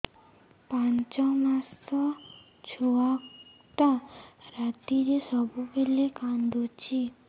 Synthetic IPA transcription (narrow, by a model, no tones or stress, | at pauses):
pãɲt͡ɕɔmast̪ɔ | t͡ɕʰuak | t̪aɾat̪iɾesɔbʱupelekãnd̪ot͡ɕi